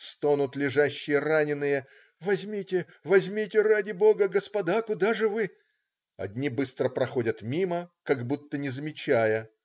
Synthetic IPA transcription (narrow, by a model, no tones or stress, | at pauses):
st̪onʊt̪lʲɪʐaɕːɪjəranʲɪnːɨjə | vɐzʲmʲitʲɪ | vɐzʲmʲitʲɪradʲɪbo̞ɡəɡəspɐd̪akʊd̪aʐɨvɨ | ɐ̰d̪ʲnʲibɨst̪ɾəpɾɐxo̞dʲət̪mʲiməkɐɡbut̪ːənʲɪzəmʲɪt͡ɕæjə